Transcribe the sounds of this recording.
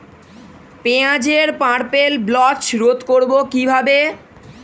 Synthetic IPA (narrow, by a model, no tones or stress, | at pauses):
peãd͡ʑeɾpãɾpelblɔt͡ɕɾot̪koɾbokibʱabe